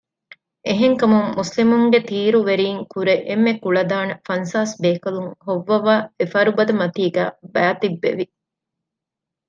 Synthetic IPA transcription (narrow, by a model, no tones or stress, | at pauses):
ʔeɦeŋkɐmuŋːuslimuŋɡet̪iːɾuʋeɾiːŋkuɾeʔemːekuɭɐd̪aːnɐfɐnsaːsbeːkɐluŋhoʋːɐʋaːefɐɾubɐd̪ɐmɐt̪iːɡæ̰ːbæːt̪ibːḛʋi